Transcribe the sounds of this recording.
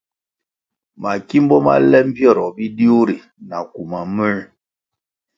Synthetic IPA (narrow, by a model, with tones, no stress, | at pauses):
ma˨ki˦m˦bɔ˦ma̰˦lɛ˦m̩˦pjɔ˦˨ɾɔ˨bi˦di˦o˦ɾi˨ | na˨ku˨ma˨mɛ˦˨